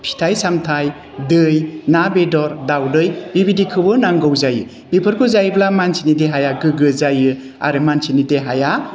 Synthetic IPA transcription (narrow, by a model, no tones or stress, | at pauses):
pʰi̥tʰajsamtʰaj | dɯjnabedɔɾdawdɯjbibidikʰɯbɯnaŋɡɯwzajɯ | bipʰɯɾkʰɯzajblamansʰinideɦajaɡɯɡɯzajɯ | a̰ɾɯmansʰinideɦaja